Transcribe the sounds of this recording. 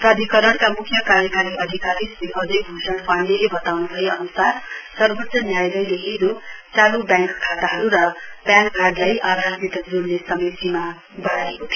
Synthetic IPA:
prad̪ʱikʌɾʌɽkamukʰjʌkaɾjʌkaɾiʔʌd̪ʱikaɾisiɦʌd͡zʌjbʱusʌɳpʰaɳlebʌt̪awnubʱʌjʌ̰nusarsʌrbʱotsʌnjajlʌjleɦedot͡salubjaŋkkʰːat̪aɦʌɾuɾʌpjãŋkɡʱaɖlajʔard̪ʱasnit̪ʌkd͡zuɾnesʌmʌjsima | bʌɽaekot̪ʰj

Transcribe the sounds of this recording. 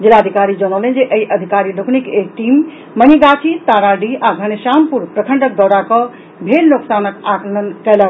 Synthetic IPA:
d͡ʒilad̪ʱikaɾid͡ʒənəlend͡ʒeʔəiʔəd̪ʱikaɾiloknikekʈimː | əniɡaʈʰit̪aɾaɖiaɡʱənesampuɾpɾəkʰəɳɖək̚d̪ɔɾakə | bʱelnoksanəkakənkɛlə

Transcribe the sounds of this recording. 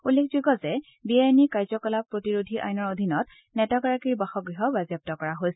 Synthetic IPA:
ulːekʰzuɡɔzɛ | biajnikaɹzɔkɔlapɹotiɹodʱiʔa̰jnɔɹodʱinɔt | nɛtɔkaɹakiɹbaxɔɡɹiɦɔbazjɔp̚tɔkɔɹaɦojsɛ

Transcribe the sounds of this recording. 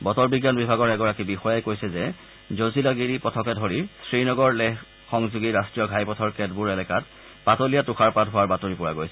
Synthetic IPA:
bɔtɔɹbiɡjanbibʱaɡɔɹɛɡɔɹakibixɔjajkojsɛzɛ | zozilaɡiɹipɔtʰɔkɛdʱoɹisɹinɔɡɔɹlɛx | xɔŋzuɡiɹastɹijɔɡʱajpɔtʰɔɹkɛd̚buɹɛlɛkat | patolijatuxʰaɹpatɦʊwaɹbatoɹipʊɹaɡojsɛ

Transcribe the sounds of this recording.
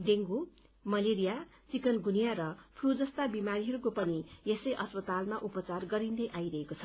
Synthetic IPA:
d̪eŋɡu | mʌleɾija | t͡sikʌnɡunijaɾʌpʰrud͡zʌst̪abimaɾiɦʌɾukopʌnijesʌjʔʌspʌt̪almaʔupʌt͡sarɡʌɾind̪ʌjʔajɾʌɦekot͡sʰʌ̥

